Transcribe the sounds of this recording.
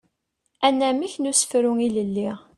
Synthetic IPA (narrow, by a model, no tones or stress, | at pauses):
ænːæmiçnusə̥fɾʊŋiləlːiʁ